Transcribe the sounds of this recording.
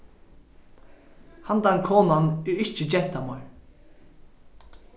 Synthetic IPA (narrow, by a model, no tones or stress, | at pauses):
hant̪ankʰɔːnanʉɪht͡ʃɪd͡ʑɛ̥t̪amɔjɹ